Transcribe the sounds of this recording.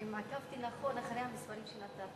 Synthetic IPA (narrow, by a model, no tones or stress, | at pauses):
makavt̪ilaχonaχɾejhamispaɾimʃelat̪a